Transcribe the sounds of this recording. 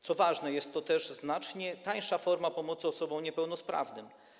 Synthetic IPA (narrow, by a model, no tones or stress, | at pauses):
t̪sɔvaʐnɛjɛst̪ːɔt̪ɛʐznat͡ʂɲɛt̪aj̃ʂafɔɾmapɔmɔt̪sɨɔsɔbɔ̃w̃ɲɛpɛwnɔspɾa̰vnɘm